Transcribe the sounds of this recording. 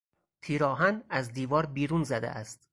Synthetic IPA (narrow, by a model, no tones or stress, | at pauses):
t̪ʰiːɾɒːɦænæzd̪iːvɒːɾbiːɾuːnzæd̪ḛʔæst̪